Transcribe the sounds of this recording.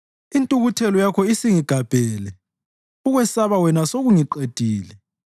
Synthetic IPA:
intʼuɣutʰɛlɔjakʰɔisiŋiɡ̥ʱab̥ʱɛːlɛ | uɣwɛsaβawɛnasoɣuŋiǃed̥ʱiːlɛ

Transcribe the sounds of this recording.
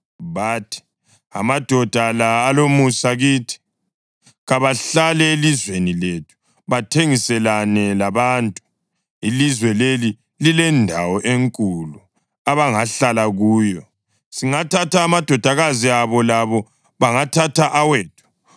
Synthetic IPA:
βaːtʰi̥ | a̰mad̥ʱɔd̥ʱalaːlomusaɣiːtʰi̥ | ɣaβaɬalɛelizweniletʰu̥ | βatʰeŋisɛlanɛlaβaːntʼu̥ | ilizwɛleli | lilɛndʱawɔʔeŋkʼulu | aβaŋaɬalaɣuːjɔ | siŋatʰatʰaːmad̥ʱɔd̥ʱaɣaziaβɔlaβɔ | βaŋatʰatʰaʔaweːtʰu̥

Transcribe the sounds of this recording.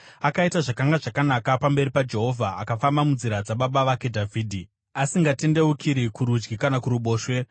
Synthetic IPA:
akaitaʐakaŋɡaʐakanakapambe̞ɾipad͡ʒe̞ɦo̞vʱaːkafambamunziɾad͡zaɓaɓaʋake̞dʱavʱiːdʱi | asiŋɡate̞nde̞ukʰiɾikuɾud͡ʒɡikanakuɾuɓo̞ːʃwe̞

